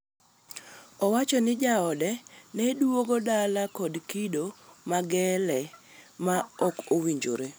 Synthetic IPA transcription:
ɔwat͡ʃɔnɪd͡ʒaɔdɛnɛdwoɡodalakɔdkidomaɡɛlɛmaɔkowiɲd͡ʒo̰ɾe

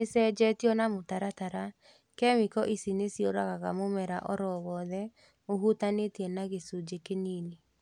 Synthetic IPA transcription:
esɛːd͡ʒɛːtiɔnamotaɾataɾa | kɛmikɔʔisinesjoɾaɣaɣamomɛɾaʔɔɾɔwɔðɛ | oɦutanetiɛnaɣesud͡ʒekeniːne

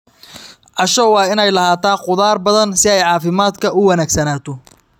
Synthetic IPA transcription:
ʕɑʃɔwɑːɪnɛjlɐhaːt̪ʰaːqʊðaːrbɐðɐnsɪɛjʕɑːfɪmaːd̪kʰɐʊwɐnæːɡsɐnaːt̪ʰɔ

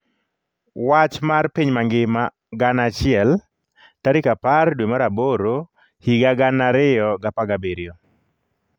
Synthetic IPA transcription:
wat͡ʃmarpiɲmaŋɡɪma | ɡanat͡ʃɪɛl | taɾɪkapardwemaɾaboɾo | hiɡaɡanaɾɪjɔɡapaɡabeɾjo

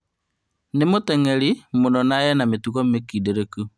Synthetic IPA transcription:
nemotɛŋɛɾimonɔnajɛnametuɣɔmekideɾeku

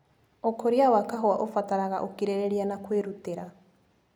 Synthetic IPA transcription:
ɔkʰoɾiawakaɦoaʔofataɾaɣaʔokiɾeɾeɾianakweɾuteɾa

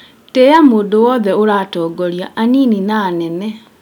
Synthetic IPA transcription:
tɛjamoːndowɔðɛoɾaːtɔːɡɔɾjaʔaniːninaːnɛnɛ

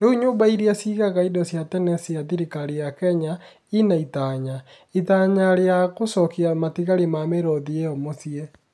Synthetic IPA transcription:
euɲoːmbaiɾiasiɣaɣaidɔsjatɛnɛsijaðiɾikaɾijakɛɲa | inaitaɲa | itaɲaɾeaɣosɔkiamatiɣaɾemameɾɔðiɛɔmosiɛ

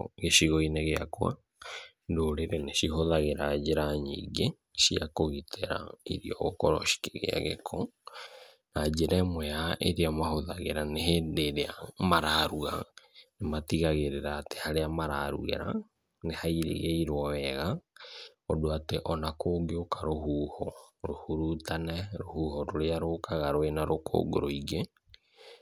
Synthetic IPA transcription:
ɣeʃiɣoineɣeakwa̰ | ndoɾeɾeneʃiɦoðaɣeɾad͡ʒeɾaɲḭɡe | ʃiakoɣitʰeɾa̰ḭɾiɔ̰ɣokɔɾɔ̰ʃi̥ke̥ɣḛa̰ɣḛkʰɔ | nad͡ʒeɾɛmwɛjaʔeɾeamahoðaɣeɾanehedeɾeamaɾaɾuɣa̰nematiɣaɣeɾeɾaːte̥haɾeamaɾaɾṵɣḛɾa̰ | nehaiɾḛɣeiɾwɔwɛɣa | ɔdoateʔɔnakoːɡeokʰaɾohuːhɔɾohuɾutanɛɾohuːhɔɾoɾeaɾokʰaɣaɾoenaɾokʰo̰ɡo̰ɾoiɣe

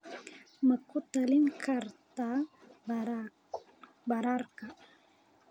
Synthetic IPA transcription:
məkʊt̪alɪnkʰaɾt̪a | baɾaɾka

